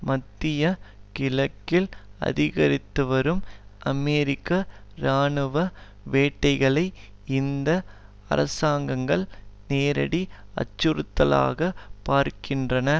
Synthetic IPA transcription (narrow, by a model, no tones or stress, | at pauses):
mɐt̪ːɪjɐkɪlɐkːɪlɐ̰ðɪɣɐɾɪt̪ːɯʋɐɾɯmɐmeːɾɪkːɐɾaːɳɯʋɐ | ʋeːʈːɐɪɣɐɭɐɪɪnd̪ɐ | ɐ̰ɾɐ̰saːŋɡɐŋɡɐɭneːɾɐ̰ɽiɐ̰t͡ʃːɯɾɯt̪ːɐla̰ːɣɐpaːɾkɪndrɐnɐ